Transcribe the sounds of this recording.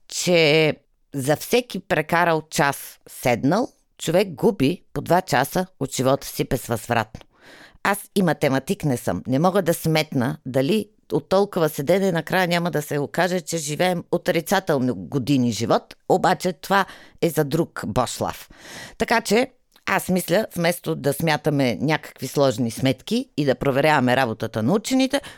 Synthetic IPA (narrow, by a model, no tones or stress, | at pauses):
t͡ʃɛ | zɐfsɛkipɾɛkaɾəlot͡ʃasːɛd̪nəlˠ | t͡ʃovɛk̚ɡubipod̪vat͡ʃasəot̪ʒ̥ivɔt̪ə̥sibɛzvɐzvɾa̰t̪no̥ | asimɐt̪ɛmɐt̪iknɛsɤ̰mnɛmɔɡəd̪ɐsmɛt̪nəd̪ɐli | ot̪ːɔlˠkovəsɛd̪ɛnɛnɐkɾajənʲaməd̪ɐsɛɡokaʒɛt͡ʃɛʒivɛːmot̪ɾit̪sat̪ɛlˠnoɡod̪iniʒivɔt̪obat͡ʃɛt̪ovaɛzɐd̪ɾukbɔʃlˠa̰ft̪ɐkat͡ʃɛ | asmislʲəvmɛst̪od̪ɐsmʲjat̪ɐmɛnʲakə̥kvislˠɔʒnismɛt̪kiːd̪ɐpɾovɛɾʲavɐmɛɾabot̪ət̪ənɐut͡ʃɛnit̪ɛ